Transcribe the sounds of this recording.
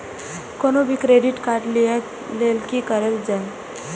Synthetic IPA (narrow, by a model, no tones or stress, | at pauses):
konobʱikɾeɖiʈkaɾɖli | lelkikəɾəld͡ʒaj